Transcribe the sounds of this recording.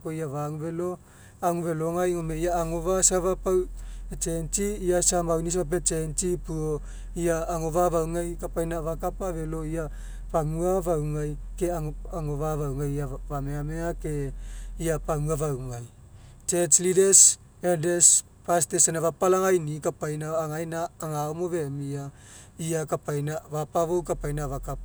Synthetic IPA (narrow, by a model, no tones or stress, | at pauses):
koiavaŋuvelo̞ | aŋuve̞loŋajŋomeiaːŋoβasaβapawet͡ʃent͡ʃiːasamawnis̬βap̬et͡ʃent͡ʃipuo | iaːŋoβavawŋajkapajnavakapaβe̞loia | paŋuavawŋaj | keaaŋovavawŋajavameameakeiapaŋuavawŋaj | t͡ʃeslideɾs | eɾdes | pastesenavapalaŋajnikapajnaaŋajnaːŋaomovemia | iakapajnavapavowkapajnavakapa